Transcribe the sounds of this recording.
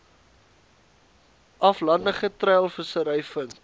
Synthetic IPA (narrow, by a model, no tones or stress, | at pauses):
ɐflɐndəχətræːlˠfəsəɾəjfənt